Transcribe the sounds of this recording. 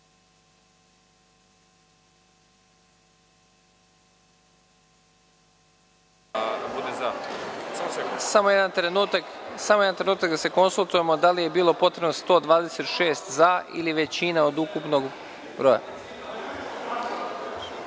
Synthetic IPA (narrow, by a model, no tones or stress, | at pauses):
bud̪eza | samojed̪ant̪ɾenut̪aksamo̞je̞d̪ant̪ɾenuːt̪akd̪ase̞ko̞nsulˠt̪uje̞mo̞d̪alije̞biːlˠo̞po̞t̪ɾe̞bnost̪o̞ːd̪ʋaːd̪e̞se̞t̪ʃe̞ːst̪zaḭliʋe̞t͡ɕinaod̪ukupno̞ɡ | bɾoja̰